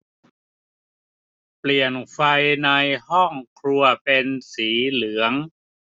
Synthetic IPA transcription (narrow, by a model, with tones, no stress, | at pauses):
pli˨˩ənfa˧jna˧jhɔ˥˩ŋkʰɾu˧ɐpe˧nsiː˩˦lɯ˩˦əŋ